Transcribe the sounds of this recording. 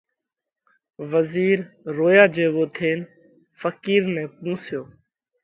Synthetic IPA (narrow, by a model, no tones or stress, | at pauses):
ʋəziːɾː | oːjaːd͡ʒeːʋoːt̪ʰeːn | fəkiːɾnɛ̃ːpũːsɪjoː